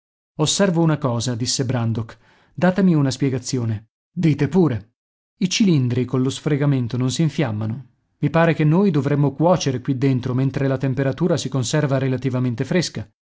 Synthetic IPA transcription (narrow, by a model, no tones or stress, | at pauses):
osːɛrvounakɔːzad̪isːebɾand̪ok | d̪aːt̪amiunaspjɛɡat̪sːjoːne | d̪iːt̪epuːɾe | it͡ʃilind̪ɾikonlosfɾeɡament̪ononsiɱfjamːano | mipaːɾekenːoːjd̪ovɾemːokwɔːt͡ʃeɾekwid̪ːent̪ɾoment̪ɾelat̪empeɾat̪uːɾasikonsɛrvaɾelat̪ivament̪efɾeska